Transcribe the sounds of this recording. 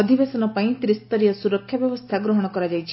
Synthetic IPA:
ɔd̪ʱibesɔnɔpaĩt̪ɾist̪ɔɾijɔsuɾɔkʰːjɔbjɔbɔst̪ʰaɡɾɔɦɔɽ̃ɔkɔɾad͡ʒajt͡ʃʰi

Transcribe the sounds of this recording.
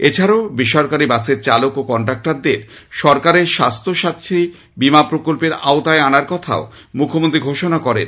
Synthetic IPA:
et͡ɕʰaɾaobiʃɔɾkaɾibaseɾt͡ɕalokokɔɳʈɾak̚ʈaɾd̪eɾʃɔɾkaɾeɾʃast̪ʰoʃat̪ʰi | bimapɾokolpeɾa̰ot̪aeanaɾkɔt̪ʰa̰o | mukʰːomõnt̪ɾiɡʱoʃonakɔɾḛn

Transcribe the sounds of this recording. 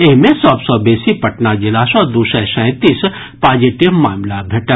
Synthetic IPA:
eɦmẽsɔːbsɔbeːsipɐʈnad͡ʒɪlaːsɔːɾd̪uːsɛ̃sɛ̃ːt̪iːs | paːd͡ʒɪʈiʋmaːmlabʱeʈə

